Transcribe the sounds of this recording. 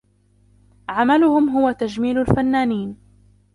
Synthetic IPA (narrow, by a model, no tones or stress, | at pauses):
ʕamalʊhʊmɦʊwat̪ad͡ʒmiːlʊlfanːaːniːn